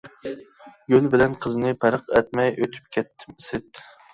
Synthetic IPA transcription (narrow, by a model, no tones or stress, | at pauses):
ɡʲølbɪlɛnqʰəznɨpʰæɾəqɛt̪̚mɛjʔøt̪ʰy̥p̚kʲʰɛt̪ʰːɪ̥msɪt̪